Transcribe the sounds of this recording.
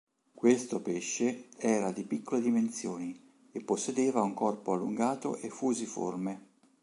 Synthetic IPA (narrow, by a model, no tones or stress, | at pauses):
kwest̪opeʃːeɛːɾad̪ipikːoled̪iment̪sjoːni | epːosːed̪eːvauŋkɔrpoalːuŋɡaːt̪o̰ʔefːuːzifo̰rme